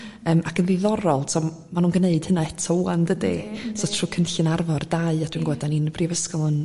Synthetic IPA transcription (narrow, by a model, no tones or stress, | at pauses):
əːmakʰənðiðɔɾɔlˠtʰɔ | manuːnɡəneɨd̥hənaɛtʰɔuandədesɔtʰruːkʰənɬɨnarvɔrd̥aɨad̥winɡwɛdaninəbriːvəskɔlˠən